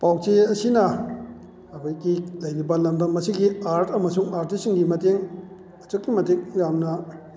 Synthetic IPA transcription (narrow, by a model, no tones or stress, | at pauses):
paw̚t͡ʃeɐsinɐ | ɐbajkilɐjnibɐlɐmdɐmːɐsiɡiaɾtʰɐmɐsuŋaɾtisiŋɡimɐteŋ | ɐt͡ʃɯkːimɐtik̚jamnɐ